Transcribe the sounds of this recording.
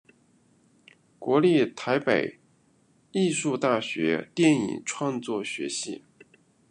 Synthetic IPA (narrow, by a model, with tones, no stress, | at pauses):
kwɔ˧˥li˥˩t̪ʰa˧˥ɪpe˨˩ɪ | i˥˧ʂu˥˧t̪a˥˩ɕɥɛ̰˧˥t̪jɛ˥˩nḭ˨˩ŋʈ͡ʂʰwɑ˥˧ŋt͡swɔ˥˩ɕɥɛ˧˥ɕi˥˩